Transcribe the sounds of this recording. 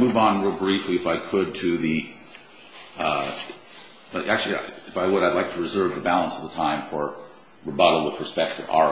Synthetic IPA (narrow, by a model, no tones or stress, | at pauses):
muvn̩ɹɪbɹifliɨfaɪkʰɨd̚tʰɨði | ʔæk̚t͡ʃʉl̩ˠia̰ɨfaɪwəɾaɪdˡlaɪk̚tʰəɹɨzɜ˞vðɨbælˠə̃nsʌvðətʰãɪ̃ɱfə˞ | ɹɨbʌɾl̩ˠwəðɹəspɛk̚tʰɨvɑ̰